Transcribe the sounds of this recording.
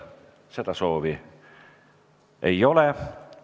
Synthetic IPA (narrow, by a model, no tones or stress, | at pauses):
se̞d̪̥ɑso̞ːvi | ejo̞le